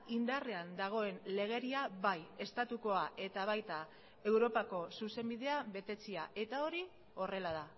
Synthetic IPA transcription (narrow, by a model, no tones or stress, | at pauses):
ind̪are̞and̪aɣ̞o̞e̞nle̞ɣ̞e̞ɾiaβaje̞st̪at̪uko̞aʔe̞t̪aβ̞ajt̪a | e̞wɾo̞pako̞suse̞mbiðe̞aβe̞t̪e̞t͡siaʔe̞t̪ao̞ɾi | o̞re̞lað̞a